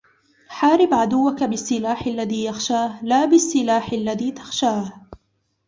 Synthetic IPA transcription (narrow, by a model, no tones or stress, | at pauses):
ħaːɾɪbʕad̪ʊwːakabɪsːɪlaːħalːaðiːjaxʃaːhlaːbɪsːɪlaːħalːaðiːt̪ḁxʃaːh